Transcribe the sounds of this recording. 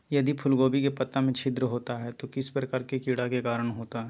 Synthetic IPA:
jɐd̪ipʰʊlɡoːbikepɐt̪ːamẽt͡ʃʰɪd̪ɾəɦoːt̪aɦɛt̪okɪspɾɐkaɾkekɪɽakekaːɾəɽ̃ɦoːt̪aɦɛ

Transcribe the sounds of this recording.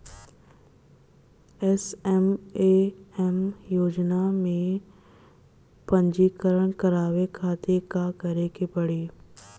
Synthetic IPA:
ɛsɛmeɛmjoːd͡ʒnamẽ | pɐ̃ɲd͡ʒiːkəɾəɽ̃kɐɾaːʋekʰaːt̪ʰekakɐɾekepɐɽeː

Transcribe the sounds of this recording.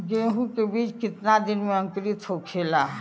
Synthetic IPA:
ɡeːɦũkebiːt͡ʃkɪt̪nad̪ɪnmẽɐ̃ŋkɾit̪ɦokʰeːlaː

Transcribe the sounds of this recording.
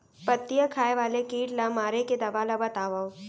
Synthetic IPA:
pɐt̪ːijakʰaːeʋaːlekiːʈlamaːɾeked̪ɐʋalabɐt̪aːʋao

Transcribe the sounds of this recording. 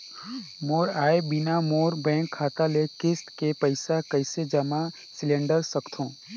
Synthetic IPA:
moːɾaːebɪnamoːɾbɛ̃ːŋkʰːaːt̪alekɪsʈ̪kepəɪsakəɪsed͡ʒəma | sɪlɛ̃ːɳɖəɾsəkt̪ʰõː

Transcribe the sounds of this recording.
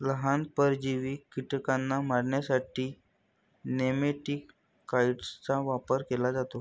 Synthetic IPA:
ləɦanpəɾd͡ʑiʋiːkiʈkanːamaɾɳjasaʈiː | nemeʈikː | aiʈst͡saʋapəɾkelad͡zat̪o

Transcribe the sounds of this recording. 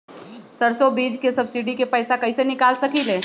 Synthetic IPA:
səɾsobid͡ʒkesəbsiɖikepəɪsakəɪsenɪkalsəkile

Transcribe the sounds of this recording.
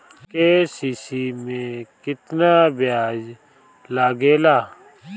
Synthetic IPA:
kesiːsimẽkɪt̪nabɪjaːd͡ʒ | laːɡeːlaː

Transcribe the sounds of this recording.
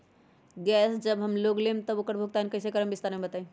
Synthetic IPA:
ɡɛsd͡ʒəbɦəmloɡlemt̪əokəɾbʱuɡ̚t̪ankəjsekəɾəmbist̪aɾmebət̪aĩ

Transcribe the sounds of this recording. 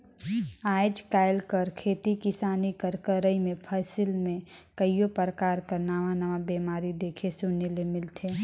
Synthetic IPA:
aːd͡ʒkaːɪlkəɾkʰeːt̪ikɪsaːnikəɾkəɾəimẽpʰəːsɪlmẽkəijopəɾəkaːɾkəɾnaːʋãnɐʋabeːmaːɾid̪eːkʰesʊnelemɪlt̪ʰeː

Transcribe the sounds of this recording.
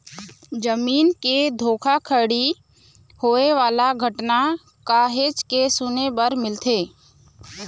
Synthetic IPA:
d͡ʒəmiːnked̪ʱoːkʰakʰəɽi | hoːeʋaːlaɡʱəʈna | kaɦeːt͡ʃkesʊnebəɾmɪlt̪ʰeː

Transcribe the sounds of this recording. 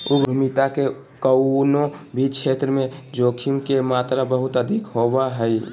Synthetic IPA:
uɡɾʱʊmit̪ake | kəwnõbʱit͡ʃʰeːt̪ɾəmẽd͡ʒoːkʰimkemaːt̪ɾabəɦʊt̪əd̪ʱikɦobaɦəi

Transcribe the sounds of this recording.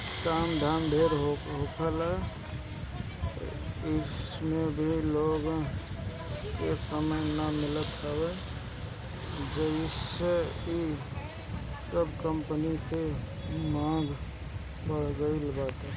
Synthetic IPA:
kamd̪ʱaːmbʱeɾɦoɦokʰəlɛ | ɪsmẽbʱiloːɡ | kesəməjnamɪlət̪ɦɛwe | d͡ʒəɪsei | səbʱkəmpənise | mãːɡ | pəɽ̤ɡəilbaːt̪e

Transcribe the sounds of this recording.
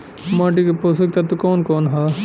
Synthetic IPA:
mãːʈikepoːsɐk̚t̪ɐt̪ukoːnkoːnɦaː

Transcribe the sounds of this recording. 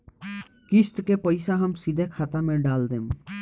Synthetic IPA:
kɪst̪kepəɪsaɦəmsid̪ʱekʰaːt̪amẽɖaːld̪eːm

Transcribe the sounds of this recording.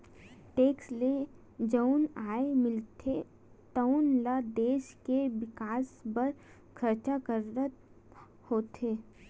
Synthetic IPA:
ʈeːksle | d͡ʒəʊnaːemɪlt̪ʰe | t̪əʊnlad̪eːʃkeʋɪkaːsbəɾ | kʰɐɾt͡ʃakəɾːət̪ | hoːt̪ʰeː

